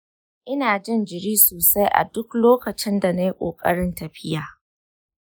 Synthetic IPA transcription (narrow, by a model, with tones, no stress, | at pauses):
ʔɪ˦naː˨d͡ʒɪ˦nd͡ʒɪ˨ɽiː˦soː˨sa˦jʔa̰˨dʊ˦kloː˦kɐ˨t͡ʃɪ˦nda˨na˦ji˦kʷʼo̰ː˨kʼɐ̰˦ɽɪ˦ntɐ˨ɸɪ˦jaː˨